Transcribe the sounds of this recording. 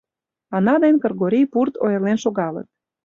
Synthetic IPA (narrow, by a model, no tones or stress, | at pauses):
ɑnɑd̪enʲkɤrɣoɾʲijpurt̪o̰jerlenʃoɣɑlə̰t̪̚